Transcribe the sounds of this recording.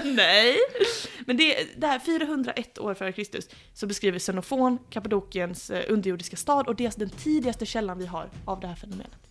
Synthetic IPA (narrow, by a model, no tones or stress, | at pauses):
nɛjmɛnd̪ɛd̪ɛhæːɾfyːɾaɦɵnd̪ɾa̰ʔɛt̪ʰːo̰ːɾfœːɾəkʰɾɪst̪ɵ̰sː | ɔbɛskɾiːvəsɛnʊfoːnkʰapad̪uːkɪənsʔɵnd̪əɾjʊːɖɪskast̪ɑːd̪ɔd̪eːlsd̪ɛnt̪ʰiːd̪ɪɡast̪əɕɛlːanvɪɦa̰ɾavd̪ɛhæːɾfɛnʊmḛːnət̪